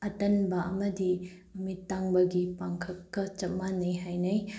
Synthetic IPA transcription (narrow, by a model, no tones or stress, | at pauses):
ɐtɐnbɐʔɐmɐdi | mumitːaŋbɐɡipaŋkʰɐkkɐt͡ʃɐp̚manɐjɦajnɐj